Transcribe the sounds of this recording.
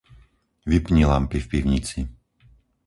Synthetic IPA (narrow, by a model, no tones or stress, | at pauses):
ʋipɲilampifpiʊɲit͡si